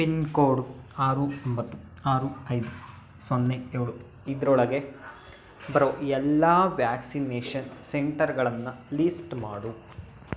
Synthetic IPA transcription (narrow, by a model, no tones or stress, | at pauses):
pinkoːɖuaːɾuombɐt̪ːu | aːɾuɐjd̪u | sɐnːeeːɭu | id̪ɾɔɭɐɡe̞ | bɐɾoɛlːaːʋjaːksineːʂɐnseɳʈɐɾɡɐɭɐnːɐlisʈmaːɽu